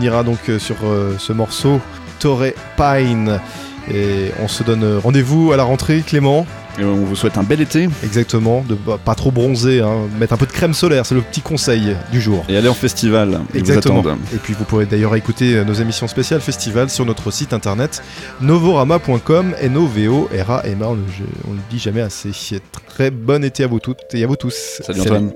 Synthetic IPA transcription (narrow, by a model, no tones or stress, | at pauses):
niʁad̪ɔ̃kʰsyʁøsəmɔʁso | t̪ɔʁe | pajn | eɔ̰̃səd̪ɔnʁɑ̃d̪evualaʁɑ̃t̪χeklemɑ̃ | eɔ̃vuswɛt̪ɛ̃bɛlet̪eɛɡzak̚t̪əmɑ̃d̪əpat̪χobʁɔ̃zeɛ̃mɛt̪χɛ̃pød̪əkχɛmsɔlɛʁsɛləpə̥t̪ikɔ̃sɛjd̪yʒuːʁealeɑ̃fɛst̪ivalɛvuzakzat̪əɑ̃mɑ̃d̪epɥivupuʁed̪ajœʁekut̪eønozemisjɔ̃spesjalfɛst̪ivalsyʁnɔt̪χəsit̪ɛ̃t̪ɛʁnɛt̪ | novoʁamapwɛ̃kɔmɛ̰noveoʔɛʁa̰ʔɛmaɔ̃nəʒ̰ɔ̰̃ləd̪iʒamɛaseɛt̪χɛbɔnet̪eavut̪ut̪eavut̪ussaljɛ̃ɛ